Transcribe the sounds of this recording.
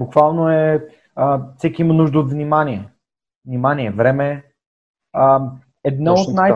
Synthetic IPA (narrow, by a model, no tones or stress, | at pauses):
bukvalˠnoɛ | əfsɛkʲiimənuʒd̪əot̪vnʲimaniɛ | vnimanʲiɛvɾɛmɛ | ə | ɛd̪nɔot̪naj